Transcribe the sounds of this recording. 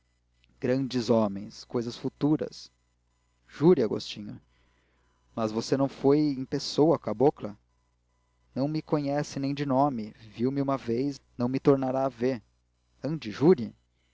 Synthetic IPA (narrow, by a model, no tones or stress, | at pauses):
ɡ̥ɾɐ̃d͡ʒɪzomẽj̃skojzɐsfut̪uɾɐ̰s | ʒ̥uɾiaɡo̰st͡ʃĩɲʊ̰ | mɐzvosenɐ̃w̃fojẽj̃pesowɐkaboklɐ | nɐ̃w̃mɪkõɲɛsɪnẽj̃d͡ʒɪnõmɪviwmɪũmɐvejsnɐ̃w̃mɪt̪oɾnaɾaːveɾ | ɐ̃d͡ʒɪʒuɾi